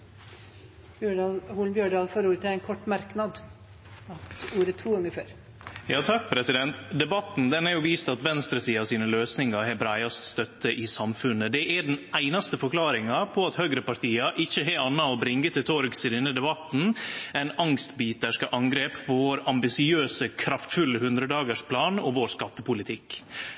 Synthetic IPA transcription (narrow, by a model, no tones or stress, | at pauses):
bɖɑhuːlbjøːɖɑːlfoːɾuːɾət̪ʰɪlæɪnkʰɔʈːmɑɾknɑd̪ | ɑt̪uːɾət̪ʰuːɡɑŋːəføːɾ | jɑːt̪ʰɑk̚ːpʰɾɛsɪd̪ɛnt̪d̪ɛbɑt̪nd̪ɛnhæɾjʊʋiːst̪ɑt̪ʋɛnst̪ɾəsiːɑsiːnəløːsnɪŋɑɾɦɛɾbɾæɪɑst̪st̪œt̪ːəʔɪsɑmfʉnːəd̪ɛʔæɖɛnæɪnɑst̪əfɔɾkʰlɑːɾɪŋɑpʰɔɑt̪hœɡɾəpɑɾʈʰiːɑʔɪçːəɦɛɑnːɑɔbɾɪŋɡət̪ʰɪlt̪ʰɔɾɡsɪd̪ɛnːəd̪ɛbɑt̪n̩æɪnɑŋst̪biːt̪əʂkəʔɑŋɡɾeːppʰɔʋoːɾɑmbɪsɪøːsəkʰɾɑft̪fʉlːəhʉnd̪ɾəd̪ɑːɡəʂpʰlɑːnɔʋoːɾskɑt̪ːəpʊlɪt̪ʰɪkː